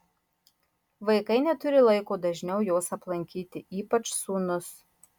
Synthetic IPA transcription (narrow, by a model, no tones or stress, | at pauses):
ʋɐɪkɐɪnʲɛt̪ʊɾʲɪlˠɐɪkoːd̪ɐʒʲnʲɛʊjoːsɐplˠɐŋʲkʲiːt̪ʲɪiːpɐt͡ʃsuːnʊs